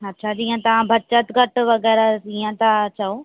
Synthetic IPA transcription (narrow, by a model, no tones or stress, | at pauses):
ɐtːʃʰad͡ʑiːə̃t̪ɐʋãbʱɐt͡ɕət̪ɡʱɐʈʋɐɣɛːɾaiːə̃t̪at͡ɕɐo